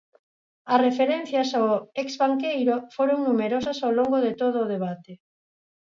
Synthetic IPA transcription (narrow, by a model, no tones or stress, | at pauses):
ɐsrefeɾɛn̟θjɐsawɛkzβaŋkejɾofoɾoŋnumeɾosɐsawloŋɡoðet̪oðʊːðeβat̪e